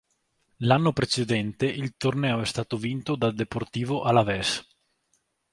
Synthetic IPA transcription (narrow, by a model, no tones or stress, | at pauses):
lanːopɾet͡ʃed̪ɛnt̪eʔilt̪ornɛːoɛst̪aːt̪ovint̪od̪ald̪eport̪iːvoʔalavɛs